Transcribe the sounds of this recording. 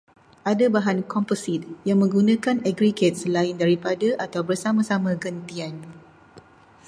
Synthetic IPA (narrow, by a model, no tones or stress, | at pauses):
ʔadabaɦankɔmpəsit̪̚jaŋmə̃ŋɡunãkanɛɡɾiɡet̪̚səlaɪndaɾipadaʔat̪awbərsamãsamãɡənt̪ian